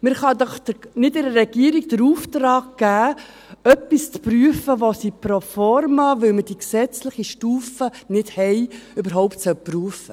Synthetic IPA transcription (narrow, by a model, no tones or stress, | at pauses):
mɪɾχɑd̪ɔχd̪ənɪtɪɾəɾɛɡiəɾiɡd̥̪əɾuːft̪ɾɑːkɡ̥æː | œpːist͡spɾyəfəʋosipɾofɔɾmɑʋʏlməd̥iksɛt͡slɪχiʃtuːfənɪthɛjʏbəɾɦɔʊptsœpryəfə